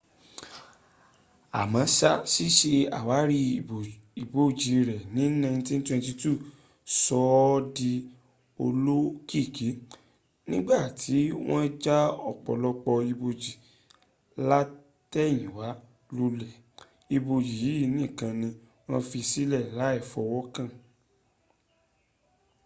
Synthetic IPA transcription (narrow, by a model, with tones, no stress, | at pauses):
a̰˨mã˨˦sa˦si˦ʃe˧a˨wa˨˦ɾi˧˦˨ | i˨bo˨d͡ʒi˨˦ɾɛ˨nĩ˨˦nã˧˦˧ntĩ˦n˦twɛ̃˧nti˧tu˦˨ | sɔ˧˦di˧ | o˧lo˦ki˦˨ki˨˦ | nĩ˦ɡ͡ba˦˨tʰi˨˦w̃ɔ̃˦d͡ʒa˦ɔ˦˨k͡pɔ̰˨lɔ˧k͡pɔ˧i˧bo˧d͡ʒi˨ | la˦ | tɛ˦˨j̃ĩ˨wa˨˦ | lu˧lɛ˨ | i˧bo˧˨d͡ʒi˨ji˨˦i˦˧nĩ˦˨kã˧nĩ˧ | w̃ɔ̃˦fi˧si˦lɛ˦˨la˨˦ɛ˦˨fɔ˧wɔ˦kã˦˨